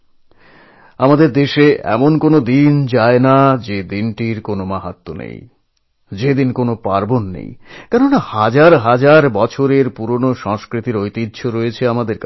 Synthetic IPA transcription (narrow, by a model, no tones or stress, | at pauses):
amad̪eɾd̪eʃeɛ̰monkonod̪ind͡ʑaenad͡ʑed̪inʈiɾkonomaɦat̪ːonḛj | d͡ʑed̪inkonopaɾbonːḛjkɛɾonahad͡ʑaɾɦad͡ʑaɾbɔt͡ɕʰoɾeɾpuɾonoʃɔŋskɾit̪iɾojt̪id̪ːɕʰoɾɔjet͡ɕʰeamad̪eɾk